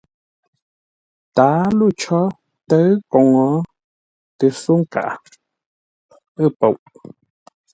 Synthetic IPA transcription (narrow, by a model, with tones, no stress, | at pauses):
t̪aː˨˦lu˦˨t͡ʃɔ˦ | tə˦ɰkɔ˨ŋɔ˨˦ | tɨ˨su˦ŋ̩˦ka̰˨ʔa̰˨ | ɨ˦˨po˨wʔ